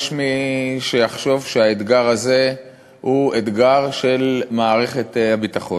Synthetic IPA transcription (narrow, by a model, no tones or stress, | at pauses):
ʃmiʃejaχʃo̞vʃeaet̪ɡaʁaze̞ | hued̪ɡaʁʃelmaːʁe̞χe̞t̪habit̪aχo